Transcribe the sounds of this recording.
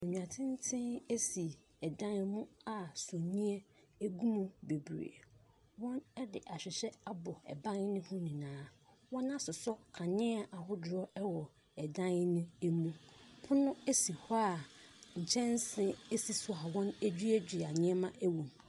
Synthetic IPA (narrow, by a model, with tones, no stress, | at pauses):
e˨ɲũ˨ã˨tʰɪ̃˦n˦tʰɪ̃˦ne˦si˨ | ɛ˨dã˦nmũ˦a˨so˨nĩ˦ɛ˦ | e˦ɡu˦mũ˨be˨bɾḛ˨ | wɔ̃˦nɛ˦dɪ˨ʔa˨ɕᶣɪ˨ɕɛ˦a˦bɔ˨ɛ̰˨bã˦n˦nɪ̃˦hʊ̃˦nĩ˨nãː˦ | wɔ̃˦nã˦sʊ˨sɔ˦kʰã˨nɪ̃˦a˦ʔa˨ɦʊ˦dʊ˨ɾɔ˦ɛ˦wɔ˨ | ɛ˨dã˦nnʊ̃˦e˦mũ˦pʰʊ̃˦nʊ̃˦e˦si˨hɔ˦a˦˨ɲ̩˨t͡ɕʰɛ̃˦n˦sɪ̃˦e˦si˨sʊ˨a˨wɔ̃˦ne˦d͡ʑᶣi˦ɛ˦d͡ʑᶣi˨a˨ɲɪ̃˦ɛ˦mã˦ʔæ˦wũ˨m